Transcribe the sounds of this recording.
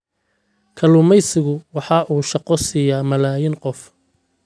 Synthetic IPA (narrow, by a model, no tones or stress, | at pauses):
kʰɐlʊmɛjsɪɣʊwɑħɑʔuːʃɑqɔsɪjaːmɐlaːjɪnqɔf